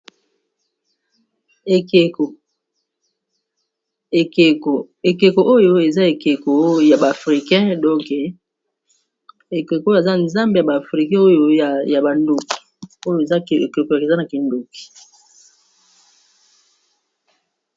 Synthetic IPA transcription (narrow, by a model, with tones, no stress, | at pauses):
e˨ | e˨o˨ | e˨ke˨ko˨ʔo˦jo˦e˨za˦e˨ke˨ko˨ja˨ba˨a˨fʁi˨kɛ̃˦dɔ̃˦ŋke˨ | e˨ke˨kje˨za˦nza˦mbe˨ja˨ba˨fʁi˨kɛ̃˦o˦jo˦˨ja˨ba˨ndo˨ki̥˨ | o˦jo˦e˨za˦˨e˨ke˨ko˨ja˨ke˨za˦na˨ki˨ndo˨ki̥˨